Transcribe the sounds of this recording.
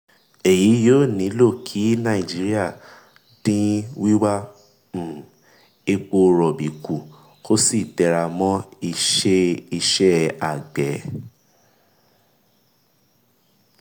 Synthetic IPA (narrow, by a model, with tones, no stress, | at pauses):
e˨ji˨˦joː˦˨nĩ˨˦lo˦˨kʰi˨˦nã˦˨i˨d͡ʒi˨˦ɾi˦a˦˨ | d̥ĩ˦wi˦wã˦˨ | e˧k͡po˧ɾɔ˨bi˨ku˨ | kʰo˦si˦˨tɛ˧ɾa˧mɔ̃˦i˧ʃe˦i˧ʃɛ˦a˨ɡ͡bɛ˨